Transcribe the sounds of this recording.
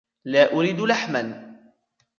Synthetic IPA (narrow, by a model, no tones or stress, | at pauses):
laːʔʊɾiːd̪laħman